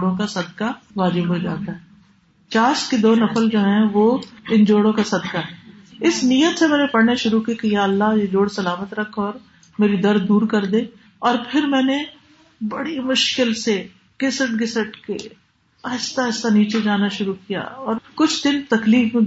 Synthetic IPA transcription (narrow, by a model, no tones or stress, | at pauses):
ɽõkasɐd̪kaʋaːd͡ʒɪbɦod͡ʒa̰ːt̪aɦɛ | t͡ʃaːsked̪oːnɐfəld͡ʒoːɦɛ̃ʋoɪnd͡ʒoːɽõkasɐd̪kaɦɛː | ɪsnijət̪semɛ̃ːnepɐɽneʃʊɾukikejaɐlːaɦjed͡ʒoːɽsɐlaːmət̪ɾɐkʰɔːɾ | meːɾid̪ɐɾd̪uːɾkɐɾd̪ẽː | ɔːɾpʰɪɾmɛ̃ːne | bɐɽimʊʃkɪlse | ɡ̥ɪsəʈɡɪsəʈkḛ | ɛːst̪aɛsaniːt͡ʃed͡ʒaːnaʃʊɾukija̰ɔːɾkʊt͡ʃʰd̪ɪnt̪ɐkliːk